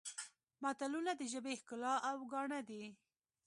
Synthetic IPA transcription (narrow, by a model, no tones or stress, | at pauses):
mɑt̪alunad̪əʒəbehkʊlɑʔawɡɑɳad̪i